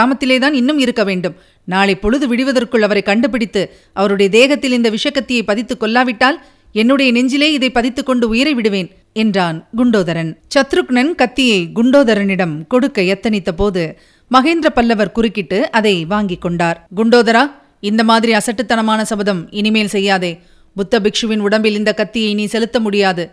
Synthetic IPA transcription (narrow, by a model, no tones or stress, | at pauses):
aːmɐt̪ːɪleːt̪aːnɪnːɯmɪɾɯkːɐʋeːɳɖɯm | naːɭɐɪpːɔɻɯðɯʋɪɽɯʋɐðɐrkɯɭɐʋɐɾɐɪkɐɳɖɯp̬ɪɽɪt̪ːɯ | ʔɐʋɐɾɯɽɐjɐd̪eːɣɐt̪ːɪlɪnd̪ɐʋɪʂɐkːɐt̪ːɪjɐɪpːɐðɪt̪ːɯkːɔlːaːʋɪʈːaːl | ɛnːɯɽɐjɐnɛɲd͡ʒɪleːɪðɐɪpːɐðɪt̪ːɯkːɔɳɖɯʊjɐɾɐɪʋɪɽɯʋeːn | ɛndraːnɡʊɳɖoːðɐɾɐnt͡ʃɐt̪ːɾɯknɐnkɐt̪ːɪjɐɪɡʊɳɖoːðɐɾɐnɪɽɐmkɔɽɯkːɐjɛt̪ːɐnɪt̪ːɐpoːðɯ | mɐɣeːnd̪ɾɐpɐlːɐʋɐɾkʊrɪkːɪʈːɯɐðɐɪʋaːŋɡɪkːɔɳɖaːɾɡʊɳɖoːðɐɾaː | ɪnd̪ɐmaːðɪɾiɐsɐʈːɯt̪ːɐnɐmaːnɐsɐbɐðɐmɪnɪmeːlsɛjːaːðɐː | bʊt̪ːɐbɪkʂɯʋɪnʊɽɐmbɪlɪnd̪ɐkɐt̪ːɪjɐɪniːsɛlɯt̪ːɐmʊɽɪjaːðɯ